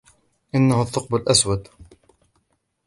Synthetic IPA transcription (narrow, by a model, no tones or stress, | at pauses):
ʔɪnːahʊθːʊq̚bəlʔaswad̪